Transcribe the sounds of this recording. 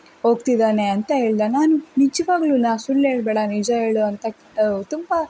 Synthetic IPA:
ɦoːɡt̪id̪aːneɐnt̪ɐɦe̞ːɭid̪ɐnaːnunid͡ʒɐʋaːɡluːnasulːeːɽbeːɽɐnid͡ʒɐe̞ːɭuɐnt̪ɐ | ɐt̪umbɐ

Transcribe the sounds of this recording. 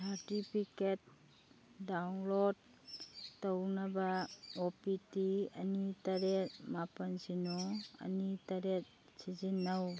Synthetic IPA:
saɾtipʰiket̚ | dawnlodː | ɐwnɐbɐopitiɐnitɐɾet̚mapɐnsinɔɐ̰nitɐɾet̚ | sizinːɐw

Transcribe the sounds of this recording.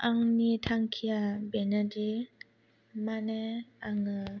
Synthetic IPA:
ʔaŋnitʰaŋkʰiabɛnadi | manɛaŋɯ

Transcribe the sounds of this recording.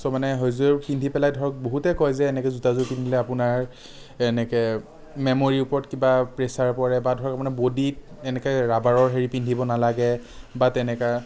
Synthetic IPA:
sɔmanɛɦojzpindʱipɛlajdʱɔɹɔk̚boɦutɛkɔjzɛːnɛkɛzutazukinilɛapʊnaɹ | ɛnɛkɛ | memoɹiʊpɔɹɔtkibapɹesaɹpɔɹɛbadʱɔɹɔkapmanɛbodit̚ | ɛnɛkɔjɹabaɹɔɹɦeɹipindʱibɔnalaɡɛ | batɛnɛka

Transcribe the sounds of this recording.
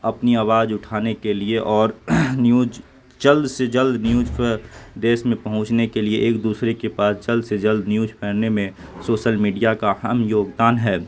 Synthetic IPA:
ɐpniaːʋaːd͡ʒʊʈʰaːnekelieʔɔːɾnjuːd͡ʒ | d͡ʒəld̪sed͡ʒəld̪njuːd͡ʒpʰəd̪eːsmẽpɐɦʊ̃t͡ʃnekelieʔeːkd̪uːsɾekepaːsd͡ʒɐld̪sed͡ʒɐld̪njuːd͡ʒpʰɛːɾnemẽsoːʃəlmiːɖijakahəmjoːɡd̪aːnɦɛː

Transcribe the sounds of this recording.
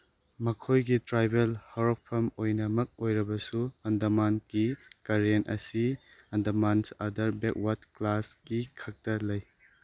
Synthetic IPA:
mɐkʰojɡitɾajbelhɔɾɔk̚pʰɐmojnɐmɐk̚ojɾɐbɐsuɐndɐmankikaɾienɐ̰si | ɐndɐmansɐdɐɾbek̚wat̚klasɡikʰɐk̚tɐlɐj

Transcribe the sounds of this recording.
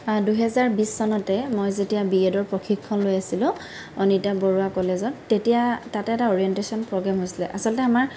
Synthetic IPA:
duɦɛzaɹbisːɔnɔtɛmojzetijabiedɔɹpɹokʰikʰːɔnlojasilʊ̃ | ɔnitabɔɹuakɔlezɔtːetijatatɛɛtaɔɹiɛntesɔnpɹoɡamɦojsilɛʔasɔlɔtɛamaɹ

